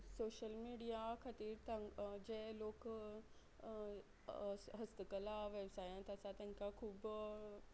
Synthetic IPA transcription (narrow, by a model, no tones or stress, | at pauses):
soːʃəlmiːɖijakʰət̪iːɾt̪ɐd͡ʑẽloːk | ɦɐst̪əkəlaʋeːbsaːjãnt̪ɐsat̪ɐ̃ɦɪ̃kakʰuːb